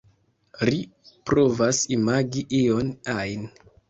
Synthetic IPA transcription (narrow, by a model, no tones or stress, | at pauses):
ɾipɾo̞vasimaɡiʔionajn